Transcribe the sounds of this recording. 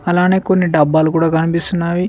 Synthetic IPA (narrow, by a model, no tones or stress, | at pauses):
ɐlãːneːkonːiɖaːbaːlkuːɽaɡɐɳ̃bʱisʊnaːʋi